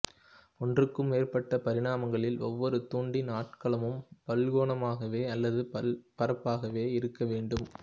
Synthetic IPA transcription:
ɔndrɯkːɯmːeːrpɐʈːɐpɐɾɪɽaːmɐŋɡɐɭɪlɔʋːɔɾɯt̪uːɳɖinaːʈ̚kɐɭɐmɯmpɐlɣoːnɐmaːɣɐʋeːɐlːɐðɯpɐɾɐpːaːɣɐʋeːɪɾɯkːɐʋeːɳɖɯm

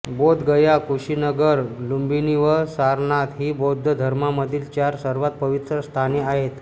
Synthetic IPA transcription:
bod̪ɡəjakuɕinəɡəɾlumbiniʋəsaɾnat̪ɦiːbod̪ʱːəd̪ʱəɾmaməd̪ʱiːlt͡ɕjaɾsəɾʋat̪̚pəʋit̪ɾəst̪ʰaniaɦet̪

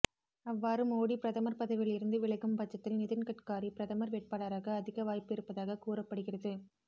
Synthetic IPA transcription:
ɐʋːaːɾɯmoːɽipɪɾɐðɐmɐɾpɐðɐʋɪlɪɾɯnd̪ɯʋɪɭɐɣɯmpɐt͡ʃːɐt̪ːɪlnɪðɪnkɐʈkaːɾipɪɾɐðɐmɐɾʋeːʈ̚paːɽaɾaːɣɐːðɪɣɐʋaːjpɪɾɯpːɐðaːɣɐkuːɾɐpːɐɽɯɣɪrɐðɯ

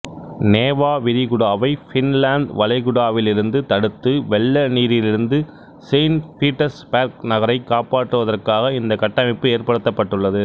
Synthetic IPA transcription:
neːʋaːʋɪɾɪɣʊɽaːʋɐɪfɪnlaːɳɖ̪ʋɐlɐɪɣʊɽaːʋɪlɪɾɯnd̪ɯt̪ɐɽɯt̪ːɯʋɛɭːɐniːɾɪlɪɾɯnd̪ɯ | seɪnfiːʈːɐspaːɾk̚nɐɣɐɾɐɪkːaːpaːʈrɯʋɐðɐrkaːɣɐɪnd̪ɐkɐʈːɐmɪpːɯeːɾpɐɽɯt̪ːɐpːɐʈːɯɭːɐðɯ

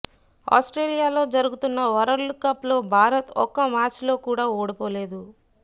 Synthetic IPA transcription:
a̰ːsʈɾeːlijaːlo̞ːd͡ʒɐɾuɡut̪unːɐʋɐɾɐɾlkɐplo̞ːbʱaːɾɐt̪ɔ̰kːɐmaːɾt͡ʃlo̞ːkuːɽaːoːɽipo̞ːle̞ːd̪u

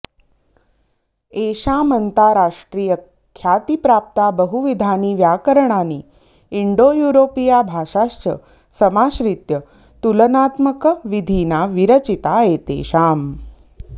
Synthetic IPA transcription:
eʃaːmənt̪aɾaːʂʈɾiːjə | kʰjaːt̪ipɾaːp̚t̪abəɦuʋid̪ʱaːniːʋjaːkəɾəɳaniː | iɳɖoːjuːɾoːpijabʱaːʃaʃt͡ʃə̰ | səmaːʃɾit̪jə | t̪ulənaːt̪məkʋid̪ʱiːnaʋiɾət͡ɕit̪aeːt̪ḛːʃaːm

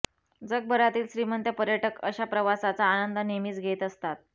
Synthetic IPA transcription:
d͡zəɡ̚bʱəɾat̪iːlɕɾimənt̪jəpəɾjəʈəkə̰ɕapɾəʋasat͡saːnənd̪ənemiːt͡sɡʱet̪əst̪at̪̚

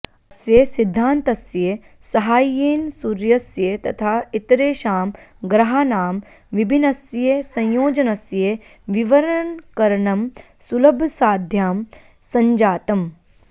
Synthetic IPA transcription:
ɐsjesid̪ʱːaːnt̪ɐsje | sɐɦaːjeːnsuɾjɐsjet̪ɐt̪ʰaːit̪ɾeːʃaːmɡɾɐɦaːnaːm | ʋibʱinɐsjesɐ̃jjoːd͡ʒɐnɐsje | ʋiʋɐɾɐɳkɐɾɐɳɐm | sulɐbʱɐsaːd̪ʱjaːm | sɐ̃ɲd͡ʒaːt̪ɐm

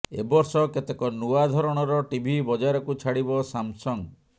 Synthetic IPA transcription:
ḛbɔɾsɔket̪ekɔnuad̪ʱɔɾɔɽ̃ɔɾɔʈibʱibɔd͡ʒaɾɔkut͡ʃʰaɽibɔsamsɔŋ

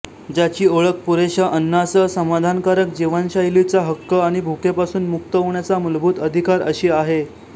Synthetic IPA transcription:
d͡ʑat͡ɕiːoɭək̚puɾeɕəʔənːasəsəmad̪ʱankaɾək̚d͡ʑiʋanɕailit͡saɦəkːəaɽ̃ibʱukepasuːnmukt̪əɦoɳjat͡saməlbʱuːt̪əd̪ʱikaɾə̰ɕiːaɦe

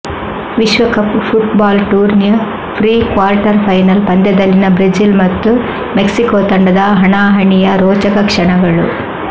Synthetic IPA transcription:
ʋiʃʋɐkɐppʰuʈbaːlʈuːɾnjɐ | pʰɾiːkʋaːɾʈɐɾpʰɐjnɐlpɐnd̪ɛd̪ɐlːinɐbɾid͡ʒilmɐt̪ːu | meksikoːt̪ɐɳɖɐd̪ɐɦɐɳaːɦɐɳijɐɾoːt͡ʃɐkɐkʂɐɳɐɡɐɭu

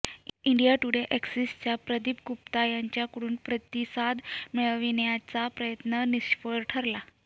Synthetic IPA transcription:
iɳɖijaʈuɽeʔɛksist͡ɕapɾəd̪ip̚ɡupt̪ajaɲt͡ɕjakəɽuːnpɾət̪isad̪meɭʋinjat͡sapɾəjət̪nəniɕfəɾʈʰəɾla

